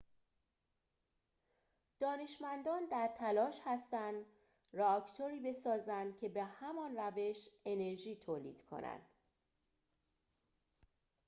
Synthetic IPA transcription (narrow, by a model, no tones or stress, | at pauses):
d̪̥ɒːne̞ʃmænd̪ɒːnd̪æɾt̪ʰælɒːʃhæst̪ænd̪ | reɒcʰt̪ʰoɾiːbe̞sɒːzænd̪̥cʰe̞be̞hæmɒːnræve̞ʃe̞ne̞ɾʒiːt̪ʰoːlḭːd̪̥kʰo̰næ̰nd̪̥